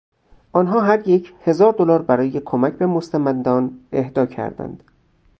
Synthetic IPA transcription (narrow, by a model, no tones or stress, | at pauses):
ʔɒːnɦɒːɦæɾjecʰhe̞zɒːɾd̪olɒːɾbæɾɒːje̞kʰomæcʰbe̞most̪ʰæmænd̪ɒːne̞hd̪ɒːcʰæ̰ɾd̪æ̰nd̪̥